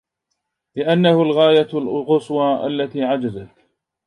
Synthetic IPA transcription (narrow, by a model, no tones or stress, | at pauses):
lɪʔanːahʊlɣaːjalɣʊswɑʔa̰lːat̪iːʕad͡ʒazat̪